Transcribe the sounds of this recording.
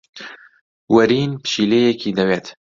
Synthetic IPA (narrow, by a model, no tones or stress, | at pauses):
wɐɾiːnpɨ̥ʃiːleːjɛkiːd̪ɐweːt̪